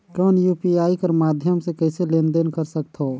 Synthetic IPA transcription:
kɔːnjuːpiaːikɐɾmaːd̪ʱjəmsekɛːseleːnd̪enkəɾsək̚t̪ʰɦoː

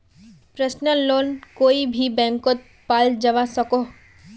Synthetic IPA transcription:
pɾəsnəlːoːnkoːibʱibɛ̃ːŋkot̪̚ | paːld͡ʒɐʋasɐko

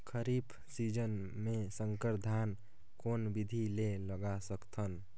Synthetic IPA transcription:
kʰəɾibʰ | sid͡ʒən | mesəŋkəɾd̪ʱan | konbid̪ʱileləɡasəkt̪ʰən

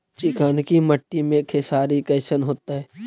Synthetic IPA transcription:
t͡ʃɪkaːnkiməʈːimẽkʰesaːɾikɐːsənɦoːt̪aɦɛː

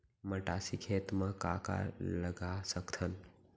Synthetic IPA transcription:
məʈasikʰet̪mə̃ka̰ka̰ləɡasəkt̪ʰən

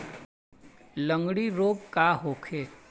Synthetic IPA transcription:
lə̃ŋɡɽiɾoːɡ̚kaɦoːkʰeː

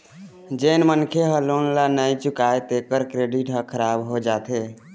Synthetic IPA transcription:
d͡ʒenmənkʰeɦə̃lonlanajt͡ʃukaet̪ekəɾkɾeɖiʈɦəkʰəɾabɦod͡ʒat̪e

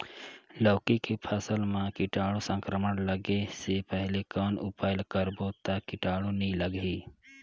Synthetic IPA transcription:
ləːkikepʰəsəlmãkɪʈaːɽosə̃ŋkɾəməɽləɡesepəɦlekɔːnʊpaːjəlkəɾbot̪akɪʈaːɽunĩləɡɦiː

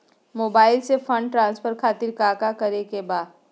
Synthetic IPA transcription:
moːbaːɪlsefʰə̃ɳɖʈɾãːnsfʰəɾkʰaːt̪ɪɾkaːkakɐɾekebaːd̪

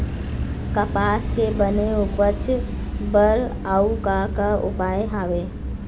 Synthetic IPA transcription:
kəpaskebəneupəɾt͡ʃʰ | bəɾ | aukakəupajɦabe

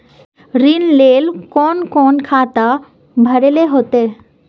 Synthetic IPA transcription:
ɾinlelkɔnkɔnkʰat̪a | bʱəɾeleɦot̪e

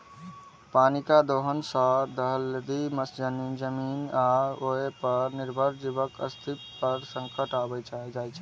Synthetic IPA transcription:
paːnikad̪oːɦənsəd̪ʱəɦəld̪iməsd͡ʒənind͡ʒəmiːnaoepəɾnɪɾbʱəɾd͡ʒibəkə̰st̪ʰip̪̚pəɾsə̃ŋkəʈaːbəjt͡ʃd͡ʒaːjt͡ʃʰɛ

